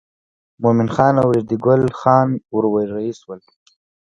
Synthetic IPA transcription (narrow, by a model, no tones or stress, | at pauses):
mominxɑːnawɾiɾd̪iɡʊlxɑːnʊɾwajɾaiswəl